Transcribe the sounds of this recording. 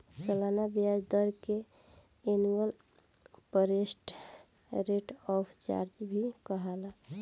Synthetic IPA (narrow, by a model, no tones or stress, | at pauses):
səlanabijad͡ʒd̪əɾke | eniəl | pəɾesʈ | ɾeʈɔpʰt͡ʃa̰ɾd͡ʒbʱikəɦala